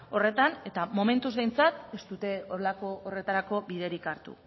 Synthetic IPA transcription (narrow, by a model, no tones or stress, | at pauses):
o̞re̞t̪ane̞t̪amo̞me̞nt̪uzβe̞jnt͡sat̪e̞st̪ut̪e̞oɾelako̞ore̞t̪aɾako̞biðe̞ɾikaɾt̪ṵ